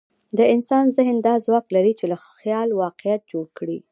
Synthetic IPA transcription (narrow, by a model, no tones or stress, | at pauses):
d̪əɪnsɑnzɪhnd̪ɑzwɑklaɾit͡ʃelaxjɑlwɑqɪjat̪̚d͡ʒoɽkɽi